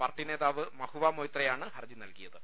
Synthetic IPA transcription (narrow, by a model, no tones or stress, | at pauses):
pɐrʈːine̞ːðaːʋɨmɐhuʋaːmoːjt̪rɐjaːɳɨhɐrd͡ʑinɐlkijɐðɨ